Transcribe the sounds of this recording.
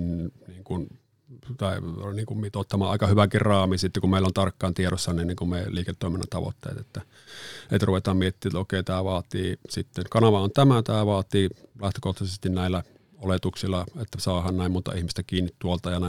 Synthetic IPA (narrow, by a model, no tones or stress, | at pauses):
niːŋkun | t̪ɑiniːŋkummit̪ot̪ːɑmɑːʔɑˑikɑhyʋækirrɑːmisit̪ːekummeilːont̪ɑrkːɑːˑnt̪ieɾosːɑnˑienːiːŋkummeˑːliːket̪ːoˑiminːɑ̰nt̪ɑʋo̰t̪ːḛːt̪et̪ːæ | et̪ruʋet̪ɑmmiet̪ːiːet̪ːokeˑit̪æːʋɑːt̪ˑiːsit̪ːenkɑnɑʋɑont̪æmæt̪æːʋɑːt̪ˑiːlæht̪ø̥koht̪ɑsest̪innæˑilːæ | olet̪uksilːˑɑet̪ːæsɑːhɑnnæˑimunt̪ɑ̰ihmist̪ækiːnːit̪t̪uolt̪ɑjɑnæ